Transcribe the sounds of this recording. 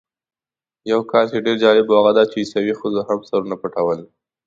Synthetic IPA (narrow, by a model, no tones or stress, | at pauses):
jawkɑlkeɖeɾd͡ʒɑlɪboaɣad̪ɑt͡ʃeisawixəzoɦamsaɾunapaʈawəl